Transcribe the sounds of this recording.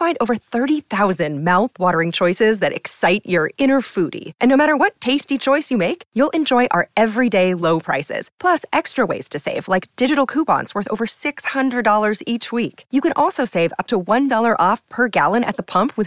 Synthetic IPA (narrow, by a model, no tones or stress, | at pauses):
fãɪ̃ndoʊvə˞θɜ˞ɾiθaʊzɨ̃nmaʊθwɔɾə˞ɪ̃ŋt͡ʃʰɔɪsɪzðɨɾʔɨ̰ksaɪt͡ʃə˞ɪ̃ñə˞fuɾḭʔɨ̃nːoʊmæɾə˞wʌtʰeɪstit͡ʃʰɔɪsjɨmeɪkjulˠʔɨ̃nd͡ʒɔɪʔa̰ə˞ʔɛvɹideɪloʊpʰɹ̥a̰ɪsɪ̰z̥pʰl̥ʌsɛkstɹ̥əwḛɪz̥tʰɨseɪvlaɪk̚d̥ɪd͡ʒɨɾl̩ˠkʰupɑ̰̃ntswɜ˞θo̰ʊvə˞sɪkshʌ̃ndɹɨdɔlˠə˞zit͡ʃwikjɨkɨ̃nʔɔlˠsoʊseɪvʌ̰p̚tʰəwʌ̃ndɔlˠə˞ʔɔfpʰə˞ɡælˠə̃ñɨ̰t̪̚ðəpʰʌ̃mpʰwɨð̥